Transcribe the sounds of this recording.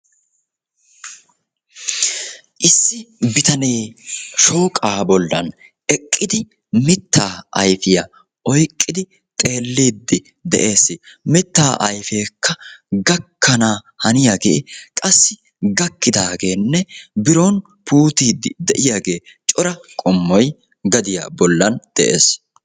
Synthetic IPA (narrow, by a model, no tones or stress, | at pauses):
ʔɪsːɪbɪt̪ɐne̞ːʃo̞ːkʼaːbɔlːɐ̰n | ʔɛkʼːɪd̪ɪ | mɪt̪ːaːʔɐjfɪjɐ | ʔɔjkʼːɪd̪ɪ | t̪ʼe̞ːlːiːd̪ːɪ | d̪ɛ̰ʔe̞ːsːɪmɪt̪ːaːʔɐjfe̞ːkʰːɐɡɐkʰːɐnaː | hɐnɪjaɡḛːkʼɐsːɪ | ɡɐkːɪd̪aːɡeːnːɛbɪɾoːn | puːt̪iːd̪ɪd̪ɛʔɪjaːɡe̞ːt͡ʃʼɔɾɐkʼɔmːɔj | ɡɐd̪ɪja̰ːbɔlːɐnd̪̥ɛʔeːs